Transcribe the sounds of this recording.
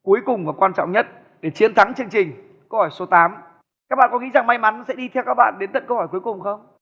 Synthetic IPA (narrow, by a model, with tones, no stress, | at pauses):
ku˨˦jkʊ˨˩ŋ͡mvaː˨˩kwaː˧nt͡ɕɔ̰˧˨ŋ͡mɲə˦˥t̚ | ɗe˧˩t͡ɕi˨˦ənt̪ʰa˨˦ŋt͡ɕɨ˧əŋt͡ɕï˨˩ŋ̟ | kə˧whɔː˧˩jso˨˦t̪aː˨˦m | kaː˦˥k̚ɓa̰ː˧˨kɔ˨˦ŋḭ˧˥za˨˩ŋma˧jma˨˦nsɛ̰˧˥ɗi˧t̪ʰɛ˧wkaː˦˥k̚ɓa̰ː˧˨nɗe˨˦nt̪ə˨˩nkə˧whɔː˧˩jku˨˦jkʊ˨˩ŋ͡mxə˧wŋ͡m